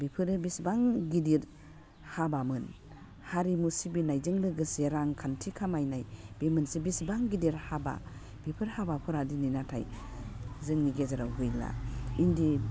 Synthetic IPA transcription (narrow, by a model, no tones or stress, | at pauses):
bipʰɯɾɯbisbaŋɡidiɾ | habamɯn | haɾimusibinajzɯŋlɯɡɯseɾaŋkʰantʰikʰamajnajb̥emɯnsibisbaŋɡidiɾhaba̰ | b̥ipʰɯɾhabapʰɯɾadininatʰa̰j | zɯŋniɡezaɾawɡɯjla̰indi